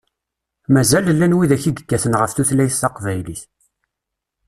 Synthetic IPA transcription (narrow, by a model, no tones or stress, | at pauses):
mæzællːænwiðæçiɡəɡːæθənʁəfθuθlæjθt̪ɑqvæjliθ